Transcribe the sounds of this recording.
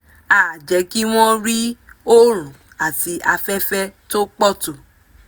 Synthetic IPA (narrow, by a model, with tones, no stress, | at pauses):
aː˨d͡ʒɛ˨˦ki˦w̃ɔ̃˦ɾi˦o˦ɾ̃ũ˨ | a˨ti˨˧ʔa˧fɛ˦fɛ˦to˦k͡pɔ˦˨to˨